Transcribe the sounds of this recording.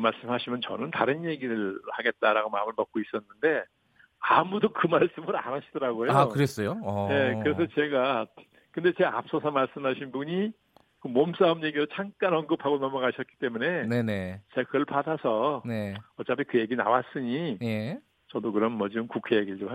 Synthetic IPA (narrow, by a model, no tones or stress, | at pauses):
maɭs͈ɯmɦaɕʰimjʌnt͡ɕʌ̰nɯntaɾɯnje̞ɡiɾɯɭhaɡe̞t̚t͈aɾaɡomamɯɭmʌk̚k͈ois͈ʌnːɯnde̞ | amudokɯmaɭs͈ɯmɯɾa̰naɕʰid̥ʌɾaɡoejoakɯɾes͈ʌjoje̞kɯɾe̞s̬ʰʌt͡ɕe̞ɡa | kɯnde̞t͡ɕe̞ap̚s͈ʌsʰʌmaɭs͈ɯmɦaɕʰinbuɲi | kɯmoms͈aomje̞ɡiɾot͡ɕʰaŋk͈anʌnɡɯpʰaɡonʌmʌɣaɕʰʌt̚k͈i̥t͈e̞mune̞nenet͡ɕe̞ɡakɯɭpadasʰʌneʌt͡ɕ͈apʰikɯje̞ɡina̰was͈ɯɲije | t͡ɕʌdokɯɾʌnmʌd͡ʑibɯmkukʰe̞jeɡiɭd͡ʑoma